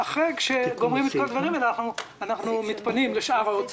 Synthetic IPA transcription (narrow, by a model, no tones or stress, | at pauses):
aχʁejkʃeɡo̞mʁimet̪̚kolad̪vaʁimenaaχnuanaχnumit̪panimleʃaʁaot͡s